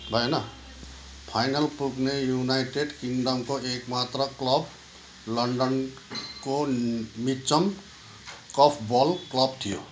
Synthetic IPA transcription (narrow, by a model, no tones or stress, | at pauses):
bʱʌjna | pʰajnəlpuɾknejunajʈeɖkiŋɡɖəmkoekmat̪ɾəklɔb | lʌɳɖən | komit͡ʃəm | kɔpʰbɔlklʌbt̪ʰijo̰